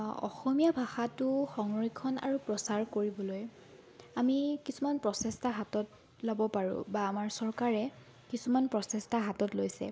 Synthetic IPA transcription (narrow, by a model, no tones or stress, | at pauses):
ɔ̰xɔmijabʱaxatʊxɔŋɹikʰːɔna̰ɹupɹɔsaɹkoɹibɔloj | amikisumanpɹɔsɛstaɦatɔt | lɔbɔpaɹṵ̃baːmaɹsɔɹkaɹɛ | kisumanpɹɔsɛstaɦatɔtlojsɛ̰